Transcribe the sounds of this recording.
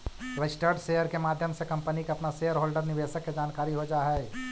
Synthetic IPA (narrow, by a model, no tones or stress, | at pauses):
ɾəsʈeɖsejəɾkemaːd̪ʱjəmsekɐ̃mpənikeɐpnasejəɾɦoːlɖəɾnɪbeːsəkːed͡ʒaːnkaːɾiɦod͡ʒaːɦɛɛ